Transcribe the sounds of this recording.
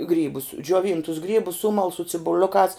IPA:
ˈɡrʲiːbʊs d͡ʒʲoːˈʋʲiːntʊs ˈɡrʲiːbʊs ˈsʊmɐlˠ sʊ t͡sʲɪbʊˈlʲʊkɑːs

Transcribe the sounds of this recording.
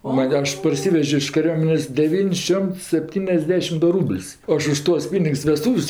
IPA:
oː ˈmɐnʲ ˈɐʃ pɐrʲˈsʲɪʋʲɛʒʲoː ɪʃ kɐˈrʲuɔmʲɛnʲeːsʲ dʲɛˈʋʲiːnʲsʲ ˈʃʲoːmts sʲɛpʲˈtʲiːnʲɛzʲˌdʲæːʃʲɪm ˈdʊ ˈruːbʲlʲsʲ ˈɐʃ ʊʃ ˈtuɔs ˈpʲiːnʲɪks ʋʲɛˈstuːwsʲ

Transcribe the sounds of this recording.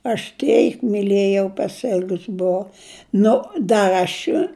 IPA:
ɐʃ ˈtʲɛɪk mʲɪˈlʲeːjɛʊ pɐsʲˈɪlʲɡʊs bʊˈʋɐʊ ˈnʊ dɐrʲ ɐʃ

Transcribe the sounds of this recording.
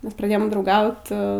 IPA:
ˈmʲɛs prɐˈdʲeːjoːm drɐʊˈɡɐʊt

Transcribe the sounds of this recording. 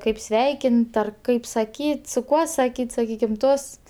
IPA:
ˈkɐɪp ˈsʲʋʲɛɪkʲɪnt ɐr ˈkɐɪp sɐkʲiːtʲ sʊ ˈkuɔ sɐˈkʲiːtʲ sɐˈkʲiːkʲɪm ˈtoːsts

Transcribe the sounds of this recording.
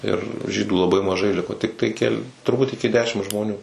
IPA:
ɪr ˈʒʲiːduː lˠɐˈbɐɪ mɐˈʒɐɪ ˈlʲɪkoː ˈtʲɪktɐɪ kʲɛˈlʲɪ tʊrˈbuːt ɪkʲɪ ˈdʲæːʃʲɪm ʒmoːˈnʲuː

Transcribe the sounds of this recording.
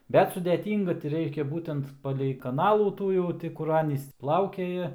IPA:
ˈbʲɛt sʊdʲɛˈtʲiːŋɡɐ tʲɪ ˈrʲɛɪʃʲkʲɛ ˈbuːtʲɛnt pɐlʲɛɪ kɐˈnɑːlˠuː ˈtuː jɛʊ ˈtʲɪ ˈkʊr ˈɑːnʲiːs ˈplˠɐʊkʲɛjɛ

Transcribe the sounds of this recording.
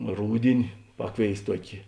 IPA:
ˈruːdʲɪnʲɪ ˈpɑːkˌʋʲeːɪs ˈtuɔkʲeː

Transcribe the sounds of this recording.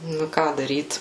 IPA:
ˈnʊ ɪ ˈkɑː dɐrʲiːt

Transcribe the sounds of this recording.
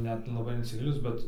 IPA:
ˈnʲɛt lˠɐˈbɐɪ ɪnʲsʲɪˈɡʲɪlʲɪnʊs ˈbʲɛt

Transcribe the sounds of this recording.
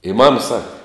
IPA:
ɪ mɐm ˈsɑːkɐ

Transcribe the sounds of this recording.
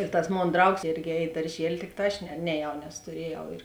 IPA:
ɪr tɐs ˈmoːn ˈdrɐʊks ˈeːrʲɡʲɪ ˈɛːj ɪ dɐrʲˈʒʲiɛlʲɪ ˈtʲɪkˌtɑː ˈɐʃ nʲɛ nʲɛˈjɛʊ nʲɛs tʊˈrʲiɛjɛʊ ɪr

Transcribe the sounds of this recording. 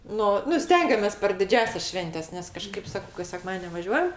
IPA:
ˈnʊ nʊ ˈsʲtʲɛŋʲɡʲɛmʲeːs pʲɛr dʲɪˈd͡ʒʲæːsʲɛs ˈʃʲʋʲɛnʲtʲɛs nʲɛs kɐˈʃkɐɪp ˈsɑːkɐʊ kɐs sʲɛˈkmɑːdʲiɛnʲ nʲɛʋɐˈʒʲuɔjɛm

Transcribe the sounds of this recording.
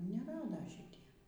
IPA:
nʲɛˈrɑːdɐ ʃʲɪˈtʲiɛ

